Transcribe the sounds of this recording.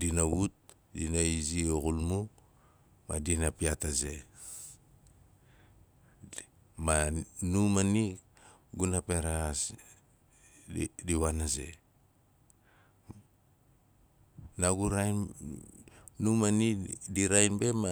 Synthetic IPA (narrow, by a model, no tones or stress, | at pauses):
dinawut̚ | dinaizioɣulmu | ma̰dinapiataze̞ | manumani | ɡunapeɾas | diwanaze̞̰ | naɡuɾaj | numanidiɾajnbe̞ma